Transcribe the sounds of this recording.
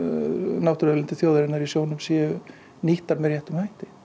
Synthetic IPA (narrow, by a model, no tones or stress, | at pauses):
nawht̪ʏɾɛlɪnt̪ɪθjowðʏɾɪnaɾisjoːwnʏmsiʏ | niht̪aɾmɛɾjɛht̪ʏmhajht̪ɪ̥